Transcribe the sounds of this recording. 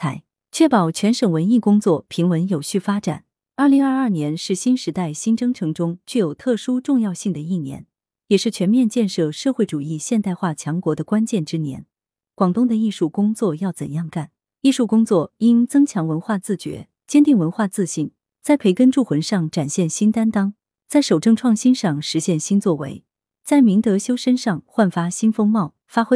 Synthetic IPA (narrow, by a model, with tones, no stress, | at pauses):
a˧˥ɪ | t͡ɕʰɥɛ˥˩pɑ˨˩ʊt͡ɕʰɥɛ˧˥nʂə˨˩ŋwə˧˥ni˥˩kʊ˥ŋt͡swɔ˥˩pʰi˧˥ŋwə˧˥njo˨˩ʊɕy˥˩fa˥ʈ͡ʂa̰˨˩˦n | ɐ˥˩li˧˥ŋɐ˞˥˧ɐ˞˥˩njɛ˧˥nʂɻ̩˥˩ɕi˥nʂɻ̩˧˥t̪a˥˩ɪɕi˥nʈ͡ʂɤ˥ŋʈ͡ʂʰɤ˧˥ŋʈ͡ʂʊ˥ŋt͡ɕy˥˩jo˨˩ʊt̪ʰɤ˥˩ʂu˥ʈ͡ʂʊ˥˧ŋjɑ˥˧ʊɕi˥˩ŋd̪ə˩i˥˩njɛ̰˧˥n | jɛ˨˩ʂɻ̩˥˩t͡ɕʰɥɛ˧˥nmjɛ˥˧nt͡ɕjɛ˥˧nʂɤ˥˧ʂɤ˥˧xwe˥˩ɪʈ͡ʂu˨˩i˥˧ɕjɛ˥˧nt̪a˥˧ɪxwa˥˩t͡ɕʰjɑ˧˥ŋkwɔ˧˥d̪ə˧kwa˥nt͡ɕjɛ˥˩nʈ͡ʂɻ̩˥njɛ̰˧˥n | kwɑ˨˩ŋt̪ʊ˥ŋd̪ə˨i˥˧ʂu˥˩kʊ˥ŋt͡swɔ˥˧jɑ˥˩ʊt͡sə̰˨˩njɑ˥˧ŋka˥˩n | i˥˩˧ʂu˥˩kʊ˥ŋt͡swɔ˥˩i˥nt͡sɤ˥ŋt͡ɕʰjɑ˧˥ŋwə˧˥nxwa˥˧t͡sɹ̩˥˩t͡ɕɥɛ̰˧˥ | t͡ɕjɛ˥nt̪i˥˩ŋwə˧˥nxwa˥˧t͡sɹ̩˥˧ɕi˥˩n | t͡sa˥˩ɪpʰe˧˥ɪkə˥nʈ͡ʂu˥˩xwə˧˥nʂɑ˥˩ŋʈ͡ʂa˨˩nɕjɛ˥˩nɕi˥nt̪a˥nt̪ɑ˥ŋ | t͡sa˥˩ɪʂo˨˩ʊʈ͡ʂɤ˥˧ŋʈ͡ʂʰwɑ˥˩ŋɕi˥nʂɑ˥˩ŋʂɻ̩˧˥ɕjɛ˥˩nɕi˥nt͡swɔ˥˩wḛ˧˥ɪ | t͡sa˥˩ɪmi˧˥ŋt̪ɤ˧˥ɕjo˥ʊʂə˥nʂɑ˥˧ŋxwa˥˩nfa˥ɕi˥nfɤ˥ŋmɑ˥˩ʊ | fa˥xwe˥